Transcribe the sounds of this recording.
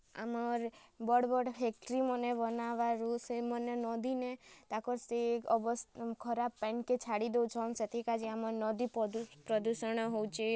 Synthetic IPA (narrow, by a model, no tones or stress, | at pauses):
a̰mɔɾbɔɽbɔɽfɛk̚ʈɾimɔnebɔnaʋaɾusemɔnenɔd̪inet̪akɔɾsekɔbɔskʰɔɾabpɛnket͡ʃʰaɽid̪ewt͡ʃʰɔnset̪ʰikad͡ʒiamɔɾnɔd̪ippɾɔd̪uʃəɳ̃ɦowt͡ʃʰe